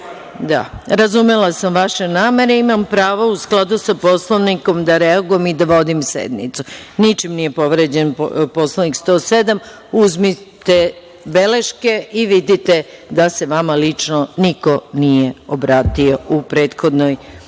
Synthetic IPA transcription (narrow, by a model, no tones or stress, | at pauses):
d̪a̰ɾazumelasamʋaʃe̞naːme̞ɾeimampɾaːʋousklˠad̪usapo̞slˠoniko̞md̪aɾeaɡujemid̪aʋo̞d̪imsḛd̪nit̪sunit͡ʃimnije̞po̞ʋɾed͡ʑenpo̞slanikst̪o̞se̞d̪am | uzmi | t̪e | beleʃke̞iʋid̪it̪e̞d̪ase̞ʋamalit͡ʃnoniko̞nijeobɾaːt̪io̞upɾe̞ːt̪xo̞d̪noj